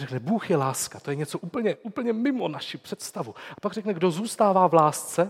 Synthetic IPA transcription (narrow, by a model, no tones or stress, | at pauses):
rɛknɛbuːxjɛlaːskat̪o̞jɛɲɛt͡so̞ʔuːpl̩ɲɛʔuːpl̩ɲɛmɪmo̞naʃipr̥ɛt̪st̪avuʔapaɡrɛknɛɡdo̞zuːst̪aːvaːvlaːst͡sɛ